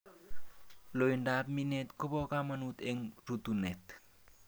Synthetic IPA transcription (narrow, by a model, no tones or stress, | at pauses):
loindap̚minet̪kopokamanut̪eŋɾutunet